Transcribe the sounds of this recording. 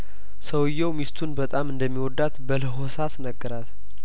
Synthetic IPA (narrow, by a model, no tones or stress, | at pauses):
səwjːɛwmist̪ʰunbət̪ʼamɨnd̪əmːiwɔd̪ːat̪bələɦosasnəɡːəɾat̪